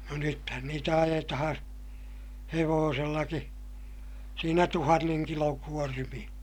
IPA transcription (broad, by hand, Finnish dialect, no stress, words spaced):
no nythæn niːtæ ɑjetɑhɑ̃ː heʋoːselːɑki siːnæ tuhɑnːeŋ kiloŋ kuormij̆ɑ̥